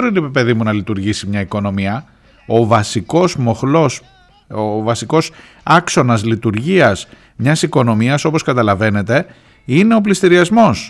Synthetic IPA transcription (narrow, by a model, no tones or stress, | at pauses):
ɾinipipe̞ðimunɐlit̪uɾʝisimɲɐiko̞no̞miɐ | ovɐsiko̞zmo̞xlo̞s | vɐsiko̞s | ɐkso̞nɐzlit̪uɾʝiɐs | mɲɐsiko̞no̞miɐso̞po̞skɐt̪ɐlɐve̞ne̞t̪e̞ | ine̞o̞p̬list̪iɾiɐzmo̞s